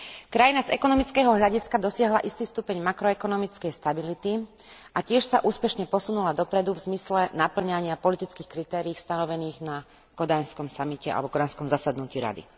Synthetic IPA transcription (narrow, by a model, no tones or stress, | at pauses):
kɾajinazɛ̰kɔnɔmit͡skɛːɦɔɦʎaɟiskad̪ɔsɪaɦlaʔist̪iːst̪uːpɛɲmakɾɔɛkɔnɔmit͡skɛjst̪abilit̪i | ʔacɪɛʃsaʔuːspɛʃɲɛpɔsunulad̪ɔpɾɛd̪uvzmislɛnapl̩ɲaɲɪapɔlit̪it͡skixkɾit̪ɛːɾiːxst̪anɔʋɛniːɣna | kɔd̪ajnskɔmsamicɛa̰lɛbɔkɔd̪anskɔmzasad̪nuciːɾa̰d̪ḭ